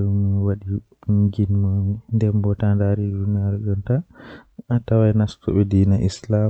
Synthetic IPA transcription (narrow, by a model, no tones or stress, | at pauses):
mwaɗi | ɡinmandɛmbɔtandaɾidunaɾɡɔnta | tawajnastʰɔ̰ɓɛdinaʔisla